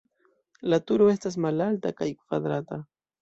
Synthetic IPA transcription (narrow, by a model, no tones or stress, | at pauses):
lat̪ʊɾoest̪as̬malalt̪akajkʊ̥qad̪ɾat̪a